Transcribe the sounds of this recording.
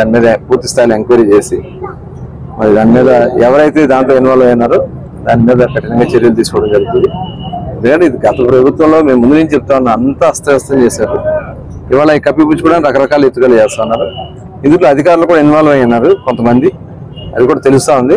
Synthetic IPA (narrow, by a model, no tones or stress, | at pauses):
d̪aːnimiːd̪ɐpuːɾt̪ːi̥st̪ʰaːjilue̞ŋkʋɐɾiːt͡ʃe̞ːsi | mɐɾid̪aːnimiːd̪ɐɛʋɐɾɐjt̪e̞ːd̪aːnt̪oːinʋaːlɐʋɐjɐnːaːɾu | d̪aːnimiːd̪ɐkːɐʈɐnɐŋɡaːt͡ʃe̞ɾjɐlut̪iːsu̥kɔʋɽɐmd͡ʒɐɾɡut̪und̪iend̪ukɐɳʈeid̪iɡɐt̪ɐpɾɐbʱut̪ʋɐmlo̞ːme̞ːmːund̪unuɲt͡ʃit͡ʃep̚ːut̪aːʋɐnːɐnt̪aːɐst̪ɐɛst̪ɐmt͡ʃeːsaːɾu | iʋaːɭakɐpːipuːt͡ʃukuɽaːnɾɐkɐɾɐkaːlue̞t̪ːukɐlɐt͡ʃɛːst̪aːunːaːɾu | ind̪uʈ̬loːɐd̪ʱikaːɾulɐkuːɽainʋaːlʋɐjɐnːaːɾukont̪ɐmɐnd̪i | ɐ̰d̪ikuːɽaːt̪e̞lust̪aːund̪i